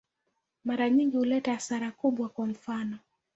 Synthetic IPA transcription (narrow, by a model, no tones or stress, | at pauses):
maɾaɲiŋɡihulɛtaːsaɾakuɓwakwam̩fanɔ